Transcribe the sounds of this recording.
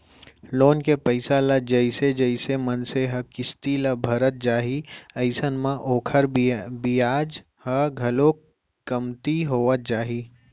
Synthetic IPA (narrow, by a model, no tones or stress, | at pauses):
loːnkepəɪsaləd͡ʒəɪsed͡ʒəɪsemənseɦəkɪst̪iləbʱəɾət̪̚d͡ʒaːɦiɐɪsənmãʔoːkʰəɾbijaːd͡ʒ | həɡʱɐlo | kɐmt̪iɦoːʋət̪̚d͡ʒaːɦi